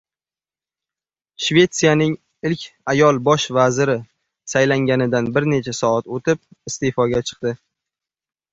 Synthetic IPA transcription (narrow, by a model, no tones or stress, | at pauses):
ʃve̞t̪sijanɪŋ | ɪlkʲajɒlˠbɒʃvazɪɾɪ | sajlaŋɡʲanɪd̪anbɪɾne̞t͡ʃʰasɒat̪ot̪ʰɪp̚ɪst̪efɒɡʲat͡ʃʰɨ̥q̚d̪ɪ